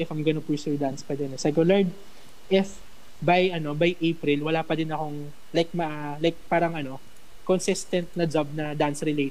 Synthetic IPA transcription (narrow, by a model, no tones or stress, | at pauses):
ɪfɐŋɡɐnopʊjsud̪anspɐd̪ɛnɛsɐjkolaɹd̪ | ʔɪf | bajʔɐno̞bajʔejpɾɪlwɐlaːpɐd̪ɪnɐko̞ŋ | lajk̚mɐʔalajk̚paːɾɐŋʔɐno̞ | konsɪst̪ɛnt̪̚nɐd͡ʒab̚nɐd̪ansɾɪlejt̪